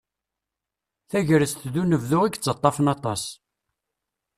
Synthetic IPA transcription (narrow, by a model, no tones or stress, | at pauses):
θæʝɾəsθðunəvðʊʁiɡt͡sːət̪ˤːɑfənɑt̪ˤɑs